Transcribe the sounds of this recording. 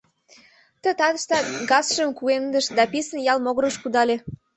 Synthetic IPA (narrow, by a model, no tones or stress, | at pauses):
t̪ə̆t̪ɑd̪əʃt̪ɑɡɑsʃəmkuend̪əʃd̪ɑpisənjɑlmoɣɾəʃkud̪ɑlʲe